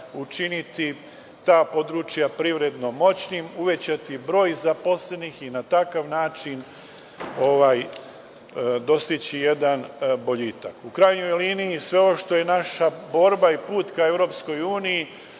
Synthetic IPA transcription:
ut͡ʃinit̪i | t̪aːpo̞d̪ɾut͡ʃjapɾiʋɾe̞d̪no̞mo̞t͡ɕnimuʋet͡ɕat̪ibɾo̞ːjzapo̞sle̞nixinat̪akaʋnaːt͡ʃin | o̞ʋaːj | d̪o̞st̪it͡ɕije̞d̪anbo̞ʎiːt̪akukɾajɲo̞jliːnijisʋe̞o̞ʃt̪o̞je̞naʃabo̞ːɾbaipuːt̪kae̞ʋɾo̞ːpsko̞juːniji

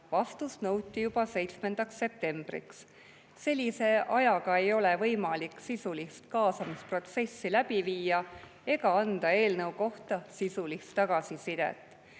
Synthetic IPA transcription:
vɑst̪usnɤwt̪ːˑijub̥ɑse̞jt̪sme̞nd̪̥ɑksːe̞p̚t̪e̞mb̥rḭks | se̞lʲːise̞ʔɑjɑɡ̥ɑe̞jo̞le̞vɤjmɑliksisulist̪̚kɑːsɑmispro̞t̪se̞sːilæb̥iviːɑ | e̞ɡɑɑnd̪̥ɑe̞ːlnɤwko̞ht̪ɑsisulist̪ːɑɡ̥ɑsisid̪̥ḛt̪ːˑ

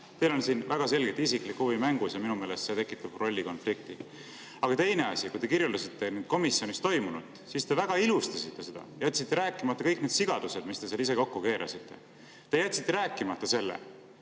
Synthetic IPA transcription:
t̪e̞jlo̞nsiːnvæɡ̥ɑs̬e̞lɡe̞t̪ːˑisiklikːuvimæŋɡ̥usjɑminume̞ːle̞st̪set̪ekːˑit̪ːˑɑb̥̚pro̞lʲːiko̞nflik̚t̪i | ɑɡ̥ɑt̪e̞jne̞ɑsʲikujt̪e̞kirjulɑsit̪ːe̞ned̪̥̚ko̞misjo̞nist̪o̞jmunud̪̥sist̪e̞væɡ̥ɑilust̪ɑsit̪ːe̞se̞d̪ɑ̰jæt̪ʲːsit̪ˑːe̞ɾæːkːˑimɑt̪ːɑkɤjk̚ne̞ːd̪̥siɡ̥ɑd̪̥use̞d̪̥mist̪e̞selis̬e̞ko̞kːuke̞ːɾʔɑ̰sit̪ːe̞̰ | t̪e̞jæt̪ʲːsit̪ːe̞ɾæːkːˑimɑt̪ˑːɑse̞lːḛ

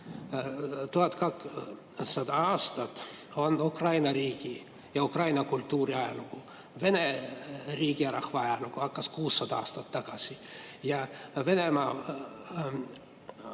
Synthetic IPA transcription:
t̪uhɑt̪kɑk | sɑd̪̥ɑɑːst̪ɑt̪o̞nukrɑjnɑɾiːɡi | jɑukrɑjnɑkult̪ːuːɾiɑjɑ̰luku | ve̞neriːɡiɑɾɑhvɑɑjɑlukuhɑkːɑskuːsːɑd̪ɑɑːst̪ɑt̪ːɑɡ̥ɑsʲijɑve̞nemɑː

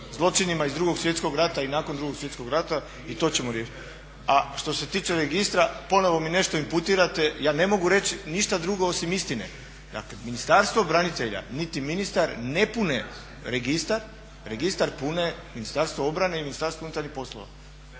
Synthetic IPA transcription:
zlˠo̞t͡ʃinimaizd̪ɾuːɡo̞ɡsʋje̞t̪sko̞ɡɾat̪ainaːkond̪ɾuɡo̞ksʋjet̪sko̞ɡɾat̪a | it̪o̞t͡ɕe̞moɾjeʃ | aʃt̪o̞se̞t̪iːt͡ʃe̞ɾeɡist̪ɾapo̞no̞ʋo̞mine̞ʃt̪o̞imput̪iɾat̪e̞jaːne̞mo̞ɡuɾe̞t͡ɕiniʃt̪ad̪ɾuɡo̞osimist̪inḛ | d̪a̰kleminist̪aɾst̪ʋobɾanit̪eʎa̰nit̪iminist̪aɾne̞pune | ɾe̞ɡist̪aɾ | ɾeɡist̪aɾpune̞minist̪aɾst̪ʋoo̞bɾane̞iminist̪aɾst̪ʋounut̪aɾnihpo̞slˠo̰ʋa̰

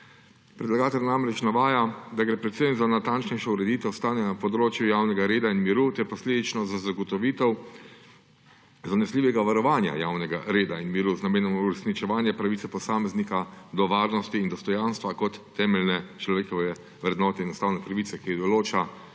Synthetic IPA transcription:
pɾɛd̪laɡaːt̪ɛlʲnamɾɛt͡ʃnaʋaːjad̪aɡɾɛpɾɛt̪sɛnzanat̪ant͡ʃnɛjʃɔuɾɛd̪iːt̪ɛwst̪aːnɛnapɔd̪ɾoːt͡ʃjujawnɛɡaɾeːd̪ainmiɾut̪ɛɾpɔsleːd̪it͡ʃnɔzazaɡɔt̪ɔʋiːt̪ɛw | zanɛsliːʋɛɡaʋaɾɔʋaːnja̰jaːwnɛɡaɾeːd̪ainmiɾuznameːnɔmuɾɛsnit͡ʃɛʋaːnjɛpɾaʋit̪sɛpɔsaːmɛznikad̪ɔʋaːɾnɔst̪iːnd̪ɔst̪ɔjaːnst̪ʋakɔt̪ːɛmɛlnɛt͡ʃlɔʋeːkɔʋɛ | ʋɾɛd̪nɔːt̪ɛnɔst̪aːwnɛpɾaʋiːt̪sɛkid̪ɔloːt͡ʃa

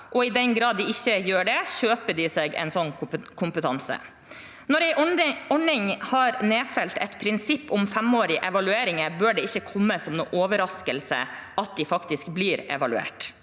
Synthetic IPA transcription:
ʔɔɪd̪ɛnɡɾɑːd̪ːɪɪçːəjøːɖɛɕøːpəɖɪseːɡɛ̰ɪnsɔnːkʰʊmpət̪ʰɑnsə̰ | nɔɾæɪɔɳɪŋhɑɾneːfɛlt̪ɛt̪pʰɾɪnsɪpːʊmfɛmoːɾɪʔɛʋɑlʉeːɾɪŋəɾbøːɖɛɪçːəkʰɔmːəsɔmnṵːʔoːʋəɾɑskəlsə̰ʔɑt̪̚d̪ɪfɑkt̪ɪskbliːɾɛ̰ʋɑlʉḛːʈ

